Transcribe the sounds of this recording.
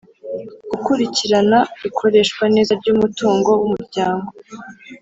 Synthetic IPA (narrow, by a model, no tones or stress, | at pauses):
ɡ̥ukuɾiciɾanaβikʰo̞ɾe̞ʃkwane̞ːzaɾɟuːmutoːŋɡo̞wumuɾɟaːŋɡo̞